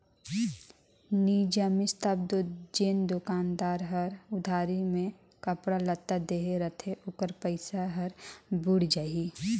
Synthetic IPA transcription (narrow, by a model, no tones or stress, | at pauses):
niːd͡ʒəmɪst̪ab̚d̪od͡ʒeːnd̪ʊkaːnd̪aːɾɦəɾʊd̪ʱaːɾimẽ | kəpɽalət̪ːad̪eːɦeɾət̪ʰeʔʊkəɾpəɪsaɦəɾbʊɽd͡ʒai